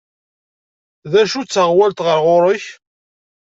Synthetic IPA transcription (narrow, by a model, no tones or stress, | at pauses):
ðæʃut͡sːəʁwælt̪ʁəɾʁoɾˤəç